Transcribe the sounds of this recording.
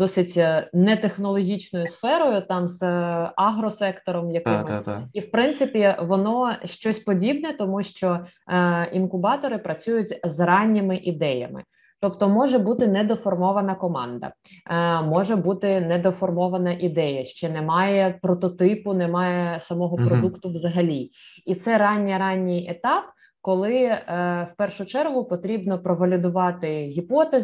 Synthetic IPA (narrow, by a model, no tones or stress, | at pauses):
d̪ɔsɪtʲnɛt̪exnɔlˠɔɦʲit͡ʃnɔjʊsfɛɾɔjʊt̪ɑmzɑɦɾɔsɛkt̪ɔɾɔmjɐkɪmɔsʲiwpɾɪnt̪sɪpʲiʋɔnɔʃt͡ʃɔsʲpɔdʲibnɛt̪ɔmuʃt͡ʃɔ | inkʊbɑt̪ɔɾɪpɾɐt͡sʲujʊtʲzrɑnʲːɪmɪʔid̪ɛjɐ̰mɪ̰ | t̪ɔpt̪ɔmɔʒɛbut̪ɪnɛd̪ɔfɔrmɔʋɐnɐkɔmɑ̰nd̪ɐ̰ | mɔʒɛbut̪ɪnɛd̪ɔfɔrmɔʋɐnɐʔid̪ɛjɐʃt͡ʃɛnɛmɑjɛpɾɔt̪ɔt̪ɪpʊnɛmɑjɛsɐmɔɦɔpɾɔd̪ukt̪ʊʋzɐɦɐlʲiit̪sɛɾɑnʲːiɾɑnʲːijet̪ɑp | kɔlˠɪwpɛrʃʊt͡ʃɛrɦʊpɔt̪ɾʲibnɔpɾɔʋɐlʲʊd̪ʊʋɑt̪ɪɦʲipɔt̪ez